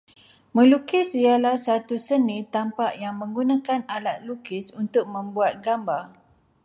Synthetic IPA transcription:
mə̃lukɪsialahsat̪usənĩt̪ampaʔjaŋmə̃ŋɡunãkanalat̪̚lukɪsunt̪ʊk̚mə̃mbuat̪̚ɡambar

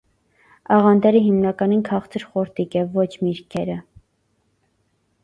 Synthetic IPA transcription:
ɑʁɑnd̪ɛɾiɦimnɑkɑninkʰɑχt͡sʰəɾχɔɾt̪ikjɛvːɔt͡ʃʰmiɾkʰɛɾə

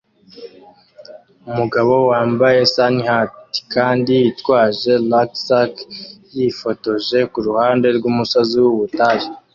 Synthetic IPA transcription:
umuɡaβo̞waːmbaje̞sanhatkaːndijitwaːʒe̞laksakjifo̞to̞ʒe̞kuɾuhaːnde̞ɾɡuːmusoziwuβutaɾi

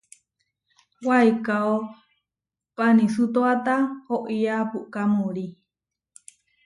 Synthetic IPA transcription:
wajkao | panisut̪oat̪ahoʔiapuʔkamuɾi

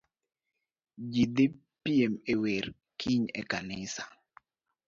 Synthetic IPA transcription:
d͡ʒid̪ɪ | piemeweɾ | kʰiɲḛkanɪsḁ

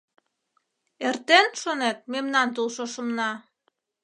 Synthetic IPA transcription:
ert̪enʃonet̪̚memnɑnt̪ulˠʃoʃə̆mnɑ

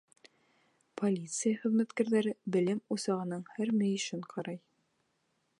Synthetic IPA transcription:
pʰolʲit̪sɨjaχɵ̆ðmæt̪kæɾðæɾɘbɘ̆lɘmusɑʁɤ̆nɤɴhæɾmɘ̆jɘ̆ʃɘɴqʰɑɾɑj

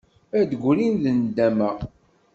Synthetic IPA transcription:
æd̪əɡʷlinðənd̪ːæmæ

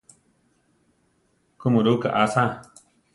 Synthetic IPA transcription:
kumuɾuːka̰ʔasã

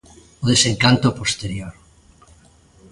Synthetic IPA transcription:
oðeseŋkant̪opost̪eɾjoɾ

